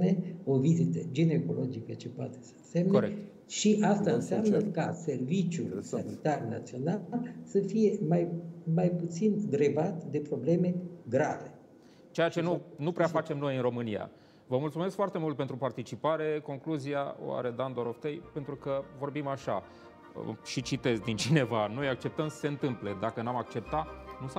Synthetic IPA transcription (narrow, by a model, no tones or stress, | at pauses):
ne̞o̞vizit̪əd͡ʒine̞ko̞lo̞d͡ʒikət͡ʃe̞poat̪e̞̥sə̥ɨnse̞mnoekt̪ | ʃiʔast̪aɨnsiamnəkase̞rvit͡ʃjṵsanḭt̪arna̰t̪sio̞nalsəfije̞majmajput̪sind̪ɾebat̪d̪e̞pɾo̞ble̞me̞ɡɾa̰ve̞ | t͡ʃe̞jat͡ʃe̞nunupɾeafat͡ʃe̞mno̞jɨnro̞mɨnia̰ | vəmult̪sumeskfoart̪e̞mult̪pe̞nt̪ɾupart̪it͡ʃipaɾe̞ko̞ŋkluzia̰o̰w̰a̰ɾe̞d̪and̪o̞ɾoft̪ejpe̞nt̪ɾukəvo̞rbimaʃa | ʃit͡ʃit̪e̞zd̪int͡ʃine̞vano̞jak̚t͡ʃe̞p̚t̪əmsə̥se̞ɨnt̪ɨmple̞d̪akənamak̚t͡ʃe̞p̚t̪at̪nus